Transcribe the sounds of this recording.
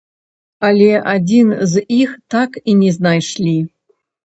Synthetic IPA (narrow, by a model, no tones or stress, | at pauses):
alʲeʔadʲinzixt̪akinʲɛznajʂlʲi